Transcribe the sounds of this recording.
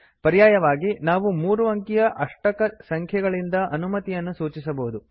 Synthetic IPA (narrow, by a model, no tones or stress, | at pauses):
pɐɾijaːjɐʋaːɡinaːʋumuːɾuʋɐŋkijɐʔɐʂʈɐkɐsɐŋkʰjɐɡɐɭind̪ɐʔɐnumɐt̪ijɐnːusuːt͡ʃisɐbɐɦud̪u